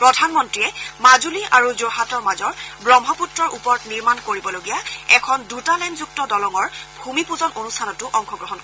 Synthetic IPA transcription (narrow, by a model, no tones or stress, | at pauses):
pɹɔdʱanmɔntɹiɛmazuliʔaɹuzoɦatɔɹmazɔɹbɹɔmɦɔputɹɔɹʔupɔtniɹmankoɹibɔloɡijaɛkʰɔndutalɛnzuk̚tɔdɔlɔŋɔɹbʱumipuzɔnʔonustʰanɔtʊʔɔŋxʰɔɡɹɔɦɔnkɔ